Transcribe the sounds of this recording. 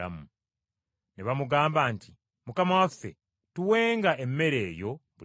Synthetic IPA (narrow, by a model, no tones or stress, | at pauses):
a̰mu | neβamuɡaːmbaːnti | mukamawafḛ | tuwe̞ːŋɡae̞mːe̞ɾe̞ːjo̞βu